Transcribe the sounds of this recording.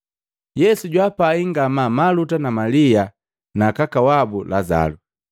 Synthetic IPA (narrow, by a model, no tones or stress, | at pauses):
jɛsuɟwapaiŋɡamamalutanamalia | nakakawabulaza̰lu